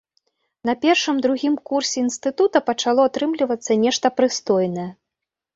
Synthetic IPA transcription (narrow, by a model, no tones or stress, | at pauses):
nɐpʲɛrʂɨmd̪ɾuɣʲimkursʲɛinst̪ɨt̪ut̪ɐpɐt͡ʂalˠɔat̪ɾɨmlʲivɐt̪sːɐnʲɛʂt̪ɐpɾɨst̪ɔjnɐjɛ